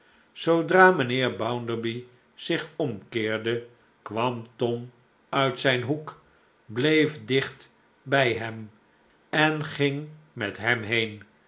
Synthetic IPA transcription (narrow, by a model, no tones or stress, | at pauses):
sowdraːmənɪːɹbʌwndəɹbi | z̥ɪχɔmkɪːɹdə | kʋɑmtɔm | œɥtsɛjnɦuk | blejfdɪχt | bɛjɦɛm | ɛnχɪŋmɛtɦɛmɦejn